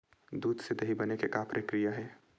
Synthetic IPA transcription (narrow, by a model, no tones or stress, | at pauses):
d̪uːd̪sed̪ɐɦibɐnekekapɾəkɾijaɦɛː